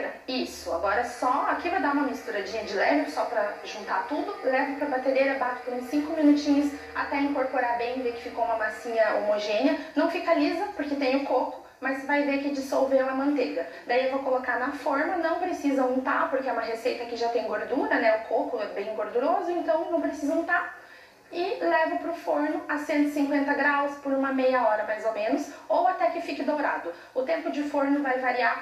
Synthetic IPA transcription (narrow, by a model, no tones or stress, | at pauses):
ɾɐisʊa̰ɡɔɾɐsɔakivajd̪aũmɐmist̪uɾad͡ʒĩɲɐd͡ʒɪlɛvʊsɔpɾɐʒũnt̪at̪ud̪ʊlɛvɐpɾɐbat̪elejɾɐbat͡ʃɪ̥pẽsĩŋkʊmĩnut͡ʃĩɲʊs | a̰t̪ɛĩŋkoɾpoɾabẽj̃vekɪ̥fikoũmɐmasĩɲɐo̰moʒẽnɪɐnɐ̃w̃fikalizɐpoɾket̪ẽj̃ʊkokʊ̥ | mɐsvajvekɪd͡ʒɪsowvelɐmɐ̃nt̪eɡɐ | d̪aiewvowkolokanɐfoɾnɐnɐ̃w̃pɾesizɐũt̪apʊɾkeɛũmɐɦesejt̪ɐkɪʒat̪ẽj̃ɡoɾd̪uɾɐnɛʊkʰokʊɛbẽj̃ɡoɾd̪uɾozʊẽnt̪ɐ̃w̃nɐ̃w̃pɾesizɐũt̪aɾ | ɪlɛvʊpɾʊfoɾnʊʔɐsẽnt̪ʊɪsĩŋkwẽnt̪ɐɡɾawspʊɾũmɐmejɐɔɾɐmajzomẽnʊsowat̪ɛkɪfikɪd̪owɾa̰d̪ʊ | ʊt̪ẽmpʊd͡ʒɪfoɾnʊvajvaɾia